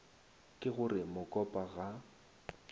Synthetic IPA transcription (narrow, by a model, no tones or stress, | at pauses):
kʼɪɣʊrɪmʊkʼɔpʼaɣa